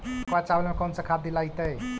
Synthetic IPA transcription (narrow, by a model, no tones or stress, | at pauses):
kat͡ʃabəlmekɔnsəkʰad̪ilajt̪əj